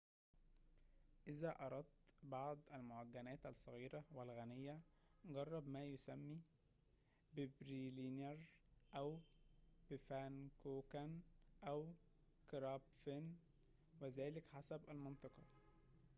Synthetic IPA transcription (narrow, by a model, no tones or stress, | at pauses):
ʔɪzæʔɑɾˤɑd̪̚t̪bɑʕd̪ˤʔælmoʕaɡːænæːt̪æsˤːɑɣiːɾæwælɣænejːæ | ɡɑrˤːɑbmæːjosæmːiː | bɪbɾilineɾˤʔæw | b̥ɪfænkoːkænʔæw | kɾɑːbfen | wezæːlɪkħasæbʔælmɑnt̪ˤɑqɑ